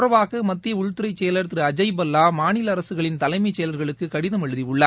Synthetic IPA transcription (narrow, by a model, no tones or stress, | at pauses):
rɐʋaːɣɐmɐt̪ːɪjɐʊɻt̪ːɯɾɐɪt͡ʃːejɐlɐɾt̪ɾɯɐd͡ʒɐɪbɐlːaːmaːnɪlɐɐɾɐsɯɣɐɭɪnt̪ɐlɐɪmɐɪt͡ʃːeːɐlɐɾɣɐɭɯkːɯkɐɽɪðɐmɛɻɯðiʊɭːɐ